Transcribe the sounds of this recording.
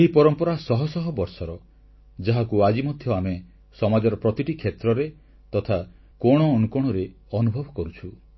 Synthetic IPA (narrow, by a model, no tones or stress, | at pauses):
eɦipɔɾɔmpɔɾasɔɦɔsɔɦɔbɔɾsɔɾɔ | d͡ʒaɦakuad͡ʒimɔd̪ʱjɔame | sɔmad͡ʒɔɾɔpɾɔt̪iʈikʰet̪ɾɔɾe | t̪ɔt̪ʰa | kɔɽ̃ɔːnukɔɽ̃ɔɾe | ɔnubʱɔbʱɔkɔɾut͡ʃʰu